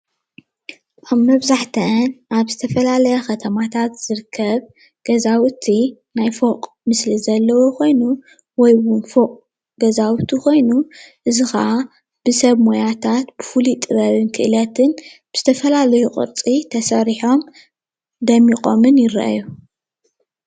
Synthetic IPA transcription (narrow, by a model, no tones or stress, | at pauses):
ʔaβmɐβzaħt̪ʰɐnʔaβzɨt̪ʰɐfɐlalɐjɐxɐt̪ʰɐmat̪ʰat̪z̥ɨɾɨkʰːɐβ | ɡ̥ɐzawt̪ʰi | najfoqʼ | mɨslizɐlːɐwoko̞jnu | wɔjwʊnfokʼ | ɡ̥ɐzawt̪ʰikʰo̞jnuʔɨzɨxɐ̰ʔa | b̥ɨsɐβmojat̪ʰat̪b̥ɨfulit̪ʼɨɾɐβɨnkʰɨʔɨlɐt̪ʰɨnb̥ɨz̥ɨt̪ʰɐfɐlalɐjuqʼɨ̰ɾt͡sʼit̪ʰɐsɐɾiħo̞m | d̪ɐmikʼomɨnjɪɾɐ̰ʔa̰ju